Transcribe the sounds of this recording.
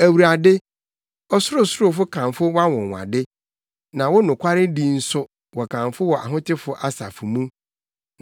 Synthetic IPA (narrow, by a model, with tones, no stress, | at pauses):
æ˨wu˨ɾa˨dɪ˦ | ɔ˦sʊ˦ɾʊ˦sʊ˦ɾʊ˦fʊ˦kʰã˨mfʊ˦wa˦wɔ̃˨ŋ˨wã̰˨dɪ˦ | nã˨wɔ˦nʊ̃˨kʷʰa˦ɾɪ˦di˦n̩˦sʊ˦ | wɔ˨kʰã˨mfʊ˦wɔ˨ʔa̰˨ɦʊ̃˦tʰɪ˦fʊ˦ʔa˦sa̰˨fʊ˨mũ˦